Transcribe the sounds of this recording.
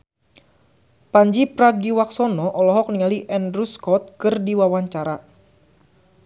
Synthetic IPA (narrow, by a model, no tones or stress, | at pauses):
paɲd͡ʒipɾaɡiwaksɔnɔʔɔlɔɦɔk̚niŋaliʔɛndɾuskɔt̪̚kɨrdiwawaɲt͡ʃaɾa